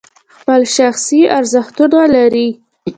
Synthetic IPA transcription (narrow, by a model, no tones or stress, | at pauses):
xpəlʃaxsiaɾzəxt̪ud̪alaɾi